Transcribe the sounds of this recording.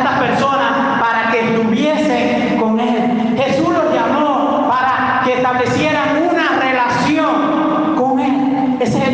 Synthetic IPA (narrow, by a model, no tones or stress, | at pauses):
t̪aspeɾso̞nas | paɾakeːst̪uβje̞seŋ | ko̞ŋe̞l | xe̞suslo̞zʝamo | paɾa | keːst̪aβle̞sjeɾaŋunare̞lasjoŋ | koŋel | ese